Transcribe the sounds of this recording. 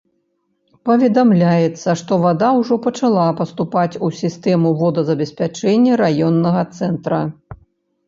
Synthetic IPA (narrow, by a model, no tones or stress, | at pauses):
pɐvʲɛd̪amlʲajɛt̪sːɐʂt̪ɔvad̪awʐɔpɐt͡ʂalˠapɐst̪upat͡sʲusʲist̪ɛmuvɔd̪ɐzɐbʲɛsʲpʲat͡ʂɛnʲːɐɾajɔnːɐɣɐt̪sɛnt̪ɾɐ